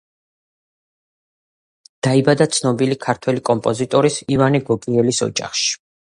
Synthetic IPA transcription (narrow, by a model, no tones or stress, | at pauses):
d̪̥aibad̪at̪sʰnɔbilikʰaɾt̪ʰwɛlikʼɔmpʼɔzit̪ʼɔɾisivaniɡɔkʼiɛlisɔ̰d͡ʒa̰χʃi̥